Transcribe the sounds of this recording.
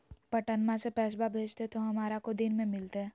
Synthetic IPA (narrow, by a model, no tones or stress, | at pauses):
pɐʈənmãsepɛːsbabʱeːd͡ʒt̪et̪oɦɐmaːɾakod̪ɪnmẽmɪlt̪eɦɛ̃ː